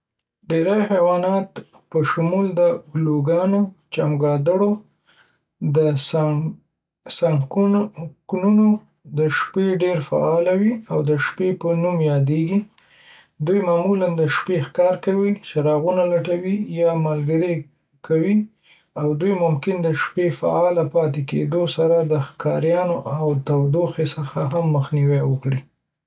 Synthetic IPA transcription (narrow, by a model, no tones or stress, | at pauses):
ɖeɾajxawɑnɑt̪ | pəʃumuld̪əloɡɑnot͡ʃamɡɑd̪əɽo | d̪əs | sɑŋkknuno | d̪əʃpeɖeɾfa̰ɑlawiawd̪əʃpepənumjɑd̪eɡi | d̪ujmɑmuland̪əʃpexkɑɾkawit͡ʃeɾɑɣunalaʈawijɑmalɡəɾe | kʰawi | awd̪ujmʊmkɪnd̪əʃpefa̰ɑlapɑt̪ekḛd̪osaɾad̪əxkɑɾjɑnoʔawt̪awd̪oxesəxaɦamːəxniwɛwəkɽi